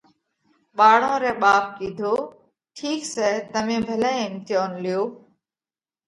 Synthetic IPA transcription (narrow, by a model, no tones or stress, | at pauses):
ɓaːɽ̤õːɾɛːɓaːp̚kiːd̪ʱoː | ʈʰiːksɛːt̪əmẽːbʱəlɛ̃ːɪmt̪ɪjoːnlɪjoː